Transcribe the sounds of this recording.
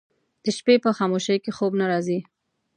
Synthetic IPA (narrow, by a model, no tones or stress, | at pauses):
d̪̥əʃpepəxɑmoʃəjkexobnaɾɑzi